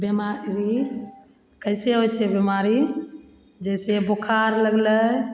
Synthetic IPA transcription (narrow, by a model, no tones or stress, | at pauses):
bjimaɾi | kəɪseɦot͡ʃʰebəmaɾi | d͡ʒəsebokʰaɾləɡlə